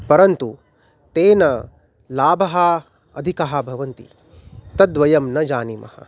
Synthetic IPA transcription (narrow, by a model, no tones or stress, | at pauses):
pɐɾɐnt̪u | t̪eːnɐ | laːbʱɐɦɐ | ɐd̪ʱikɐɦɐ̆bʱɐʋɐnt̪ḭ | t̪ɐd̪ʋɐjɐmnɐd͡ʒaːnimɐ̰hɐ̰